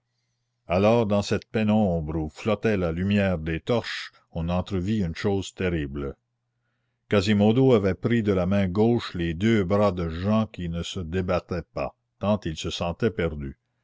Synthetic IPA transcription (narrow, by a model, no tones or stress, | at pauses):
alɔːʁd̪ɑ̃sɛt̪̚pɛnɔ̃bɾuflɔt̪ɛlalymjɛːʁd̪eːt̪ɔʁʃ | ɔ̃nɑ̃t̪ɾəviynʃoːz̥t̪eɾibl | kazimod̪oavɛpɾid̪əlamɛ̃ɡoːʃled̪øbɾad̪əʒɑ̃kʲinəsəd̪ebat̪ɛpa̰ | kɑ̃t̪ilsəsɑ̃t̪ɛpɛʁd̪y